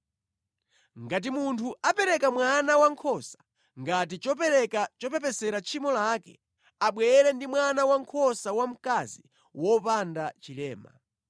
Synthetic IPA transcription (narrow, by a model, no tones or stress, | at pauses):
ŋɡat̬imuntʰuapɛɾɛkamwanawaŋkʰɔsḁ | ŋɡat̬it͡ʃɔp̬ɛɾɛkat͡ʃɔpɛp̬ɛsɛɾat͡ʃʰimɔlakɛ̰ | aɓwɛɛɾɛndimwanawaŋkʰɔsawam̩kazi | wɔpandat͡ʃilɛːma̰